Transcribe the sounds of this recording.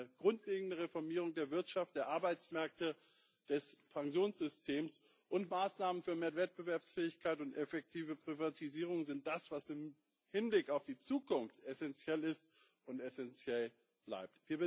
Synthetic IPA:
əɡ̥ʁʊntʰleːɡŋ̩dəʁefɔɐmiːʁ̞ʊŋdeːɐvɪɐtʃaft̚d̥eːɐʔaɐbaɪt͡smɛɐk̚tə | d̥ɛspʰaŋzjoːnsz̥ʏstʰeːms | ʔʊntmaːsnaːmənfyːɐmeːɐvɛt̚b̥əvɛɐpsfɛːɪçkʰaɪtʊntɛfɛk̚tʰiːvəpʁ̥ivatʰiziːʁ̞ʊŋzɪnt̚d̥asv̥asɪm | hɪnblɪkaʊfd̥iːt͡suːkʊnftɛsɛnt͡sjɛlɪst | ʊntɛsɛnt͡sjɛl | b̥la̰ɪp̚tv̥iːɐb

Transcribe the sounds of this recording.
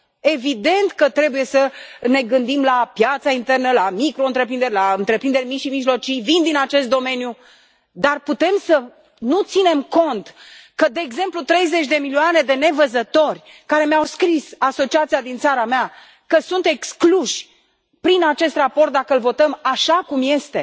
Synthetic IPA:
e̞vid̪e̞nt̪kət̪ɾe̞buje̞səne̞ɡɨnd̪imlapjat̪saint̪e̞rnəlamikɾo̞ɨnt̪ɾepɾind̪eɾʲlaɨnt̪ɾe̞pɾind̪eɾʲmiʃimiʒlo̞t͡ʃijvind̪inat͡ʃe̞st̪d̪o̞me̞nju | d̪arput̪e̞msə | nut̪sine̞mko̞nt̪kəd̪e̞ːɡze̞mplut̪ɾe̞jze̞t͡ʃʲd̪e̞milioane̞d̪e̞ne̞vəzət̪o̞rʲ | kaɾe̞meawskɾisaso̞t͡ʃiat̪siad̪int̪saɾamea | kəsunt̪e̞kskluʃʲ | pɾinat͡ʃe̞st̪rapo̞rt̪̚d̪akəɨlvo̞t̪əmaʃakumje̞st̪e

